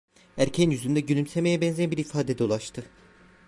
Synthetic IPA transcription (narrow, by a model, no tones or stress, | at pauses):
æɾcʰænjyzynd̪ɛɟylʲymsemejɛbɛnzɛnbiɾifaːd̪ed̪o̞lˠaʃt̪ʰɯ